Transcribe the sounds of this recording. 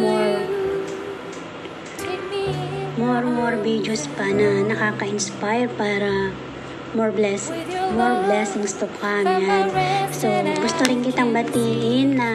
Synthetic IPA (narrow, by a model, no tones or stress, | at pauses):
moɹ | moɾmoɹbid͡ʒospɐnɐnɐkaːkɐɪnspajɹpaːɾɐ | moɹblɛsmɔɹblɛsɪŋst̪okkamjansɛɡʊst̪oɾɪnkɪt̪aŋbɐt̪iːlɪnːɐ